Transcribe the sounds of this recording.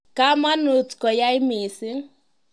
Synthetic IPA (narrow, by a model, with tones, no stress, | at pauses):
ka˦ma˦nu˨tkɔ˨ja˦i˦mi˨sɪ˦ŋ